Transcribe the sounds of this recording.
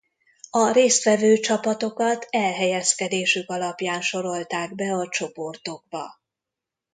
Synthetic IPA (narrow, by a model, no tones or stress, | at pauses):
ɒɾeːst̪ʋɛvøːt͡ʃɒpɒt̪o̞kɒt̪ɛlɦɛjɛskɛd̪eːʃykɒlɒpjaːnʃo̞ɾo̞lt̪aːɡbɛɒt͡ʃo̞po̞rt̪o̞ɡ̚bɒ̰